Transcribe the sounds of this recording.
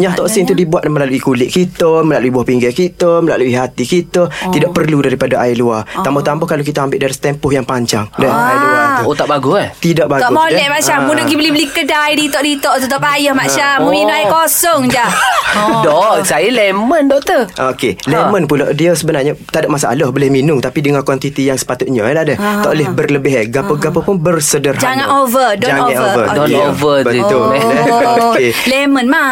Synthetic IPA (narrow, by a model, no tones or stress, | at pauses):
ɲaht̪ɔʔsɪŋt̪udibuat̪̚məlaluikulɪʔ̚kit̪əməlaluibuahpiŋɡakit̪əməla̰luiɦat̪ikit̪ət̪idaʔ̚pərludaɾipadaʔailuat̪ambat̪ambʊhkalokit̪aambɪʔdalast̪ɛmpʊɦjaŋpaɲt͡ʃa̰ŋdaailuat̪uot̪aʔbaɡut̪idaʔ̚baɡɔʔmolɛʔ̚mat͡ʃammudəɡibəlibəlikədajdit̪ɔʔdit̪ɔʔt̪ut̪ɔʔpajəhmat͡ʃammːumioʔaikosɔŋd͡ʒahdɔsajəleməndɔʔt̪əʔokelemənpulɔ̰ʔdiəsəbənarɲət̪adɔʔmasaa̰lɔhbolɪhminʊŋt̪apidəŋakwant̪it̪ijaŋsə̥pat̪ʊt̪̚ɲəlahdət̪ɔʔlɪhbərləbɪɦeɡapəɡapəpʊnbərsədərɦd͡ʒaŋanovədɔaŋãnovəɔovəbət̪ʊlokelemənma